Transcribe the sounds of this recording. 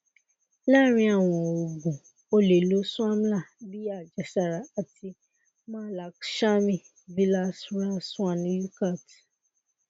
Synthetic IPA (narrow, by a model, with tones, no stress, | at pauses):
la˦ɾ̃ĩ˧a˦˨w̃ɔ̃˨o˨ɡũ˨ | o˧le˨lo˨˦sũ˦a˦m˦la˦˨bi˦a˦˨d͡ʒɛ˨˦sa˦˨ɾa˨a˨ti˧ | mãː˦la˨˦kʃa˦mĩ˦˨ | vi˦la˦sɾa˦sũ˦a˦˨nĩ˨˦ju˦ka˦˨t